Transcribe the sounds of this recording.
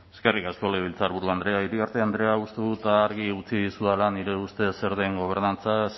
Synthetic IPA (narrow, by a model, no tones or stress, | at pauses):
eske̞rikasko̞leβilt͡saɾβuɾðuand̪ɾe̞aiɾikaɾt̪eand̪ɾe̞aust̪eðut̪aːɾɣiut͡siðisuðalaniɾe̞ust̪e̞se̞ɾðe̞ŋɡo̞β̞e̞ɾnant͡sas